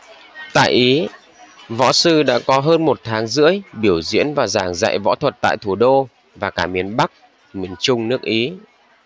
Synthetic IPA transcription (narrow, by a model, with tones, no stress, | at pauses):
t̪a̰ː˧˨jʔi˨˦ | vɔ̰˧˥sɨ˧ɗa̰ː˧˥kɔ˨˦ɦəː˧nmo˨˩t̚t̪ʰaː˨˦ŋzɨ̰˧˥əjɓi˧˩əwzḭ˧˥ənvaː˨˩zaː˧˩ŋza̰˧˨jvɔ̰˧˥t̪ʰwə˨˩t̚t̪a̰ː˧˨jt̪ʰu˧˩ɗo˧ | vaː˨˩kaː˧˩mi˨˦ənɓa˦˥k̚ | mi˨˧˩ənt͡ɕʊ˧ŋ͡mnɨ˦˥ək̚ʔi˨˦